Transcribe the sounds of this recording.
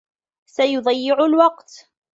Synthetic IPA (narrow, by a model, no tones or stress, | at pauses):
sajʊd̪ˤɑjːɪʕʊlwɑqt̪